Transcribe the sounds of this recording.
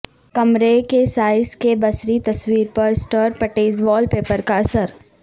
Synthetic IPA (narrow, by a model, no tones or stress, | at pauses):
kɐmɾekesaːɪskebɐsɾit̪ɐswiːɾpɐɾsʈəɾpɐʈeːzʋɔːlpeːpəɾkaɐsəɾ